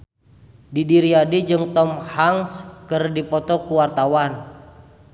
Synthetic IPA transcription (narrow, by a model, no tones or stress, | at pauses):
didiɾiadid͡ʒɨŋt̪ɔmhaŋskɨrdipɔt̪ɔkuwart̪awan